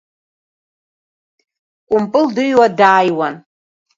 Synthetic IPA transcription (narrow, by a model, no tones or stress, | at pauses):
kʷʼʊmpʼɨldɨjwadaːjwan